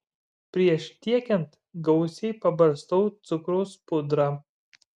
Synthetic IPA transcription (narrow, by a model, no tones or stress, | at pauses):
pʲɾʲiɛʃt̪ʲiɛkʲɛnt̪ | ɡɐʊsʲɛɪpɐbɐɾst̪ɔʊt̪sʊkɾoʊspʊd̪ɾɑ